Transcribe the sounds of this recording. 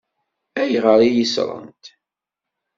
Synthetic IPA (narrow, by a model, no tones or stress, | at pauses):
æjʁəɾˤijisɾˤə̰nt̪